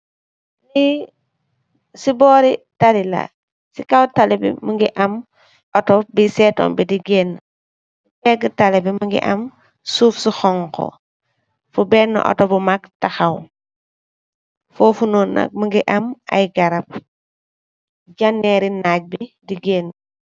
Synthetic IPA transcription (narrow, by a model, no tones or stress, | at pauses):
ni | sibɔːɾitalila̰ | sikawtalɛbḭmuŋɡiʔɐm | ɔtɔbisɛːtɔ̰ːmbidiɡɛːn | sipɛɡətalɛbimuŋɡḭʔɐm | suːfsixɔŋkɔ̰ | fubɛnːɔ̰ʔɔ̰tɔbumaktaxaw | fɔːfunɔːnːa̰k̚muŋɡiʔɐma̰jɡɐɾɐp̚ | ɟanːɛɾinaːc̚bidiɡeːnː